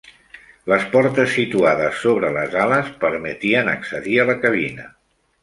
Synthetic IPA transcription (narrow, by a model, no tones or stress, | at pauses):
ləspɔɾt̪əsːit̪uaðəsːoβɾələzaləspəɾmət̪iənəksəðiələkəβ̞inə